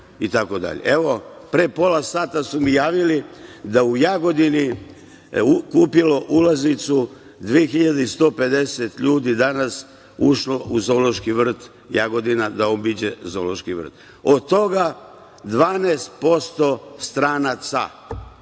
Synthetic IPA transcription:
it̪ako̞d̪a̰ʎḛe̞ʋo̞pɾepo̞lˠasaːt̪asumijaːʋilid̪aujaɡo̞d̪ini | ukuːpilo̞ʔulaznit̪su | d̪ʋiexiʎad̪eist̪o̞ːpe̞d̪eset̪ʎuːd̪id̪anas | uʃlo̞ʔuzo̞lo̞ʃkiʋr̩t̪ | jaɡo̞d̪inad̪aobid͡ʑezo̞lo̞ʃkiʋr̩t̪ | od̪t̪o̞ɡa | d̪ʋaːneːst̪̚po̞st̪o̞st̪ɾaːnat̪sa̰

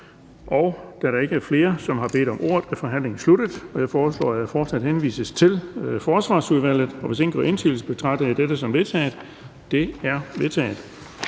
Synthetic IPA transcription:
ʔɒ̽ʊd̥æɾɑ̈e̝ɡ̥əæɐfle̝ːɐsɒ̽mɦɑ̈b̥e̝̰ːd̥ɒ̽mʔo̝̰ɐ̰ð̩ˠæfɒ̽ɦæn̰le̝ŋn̩slud̥əð̩ˠɒ̽jɑ̈ɪfɒːslɒ̰ːæfɒːd̥sæd̥henʋḭːsəst͡sʰe̝lfɒːsʋɑ̰̈ːsuðˠʋæl̰ð̩ˠɒ̽ʋese̝ŋn̩ɡ̥ɒ̰e̝nt͡sʰḭːl̩sb̥e̝t͡sʰʁɑ̥̈d̥ɐid̥ed̥əsɒ̽mʋe̝t͡sʰɛ̰ːð̩ˠ | d̥e̝æɐʋe̝ðˠt͡sʰɛ̰ːðˠ

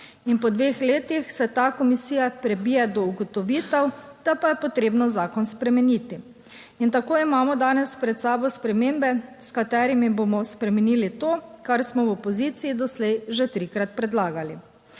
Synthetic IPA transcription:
inpɔd̪ʋeːxleːt̪ixsɛt̪akɔmisiːjapɾɛbiːjɛd̪ɔuɡɔt̪ɔʋiːt̪ɛwd̪̥apajɛpɔt̪ɾeːbnɔzaːkɔnspɾɛmɛniːt̪i | int̪akoːimaːmɔd̪aːnɛspɾɛt̪saːbɔjspɾɛmeːmbɛskat̪ɛɾimibomɔspɾɛmɛniːlit̪oːkaɾsmɔwɔpɔziːt̪siid̪ɔslɛjʒet̪ɾikɾat̪̚pɾɛd̪laːɡali

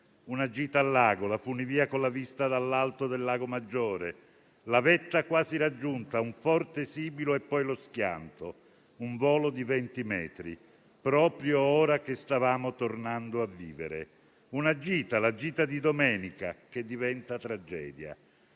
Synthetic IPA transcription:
unad͡ʒiːt̪aːlːaːɡolafuniviːakonlavist̪ad̪alːalt̪od̪elːaːɡomad͡ʒːoːɾe | lavɛt̪ːakwaːziɾad͡ʒːunt̪auɱfɔrt̪esiːbiloepːɔjlosk̟ja̰nt̪o | uɱvɔːlod̪ivɛnt̪imɛ̰ːt̪ɾḭ | pɾɔːpɾjoɔːɾak̟est̪avaːmot̪ornand̪oavːiːvḛɾḛ | unad͡ʒiːt̪alad͡ʒiːt̪ad̪id̪omɛːnika̰k̟ed̪ːivɛnt̪at̪ɾad͡ʒɛ̰ːd̪ja̰

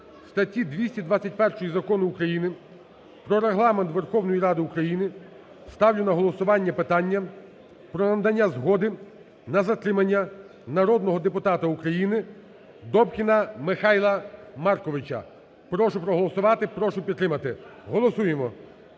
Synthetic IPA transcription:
st̪ɐtʲid̪ʲʋʲisʲtʲid̪ʋat͡sʲɐtʲpɛrʃɔjizɐkɔnʊːkɾɐjinɪ | pɾɔɾeɦlˠɑment̪ʋerxɔwnɔjiɾɑd̪ɪukɾɐjinɪ | st̪ɑwlʲʊnɐɦɔlˠɔsʊʋɑnʲːɐpɪt̪ɑnʲːɐ | pɾɔnɐnd̪ɐnʲːazɦɔd̪ɪ | nɐzɐt̪ɾɪmɐnʲːɐ | nɐɾɔd̪nɔɦɔd̪epʊt̪ɑt̪ɐukɾɐjinɪ | d̪ɔpkʲinɐmɪxɑjlˠɐmɑrkɔʋɪt͡ʃɐ̰ | pɾɔʃʊpɾɔɦɔlˠɔsʊʋɑt̪ɪpɾɔʃʊpʲid̪t̪ːɾɪmɐt̪ɪɦɔlˠɔsujemɔ

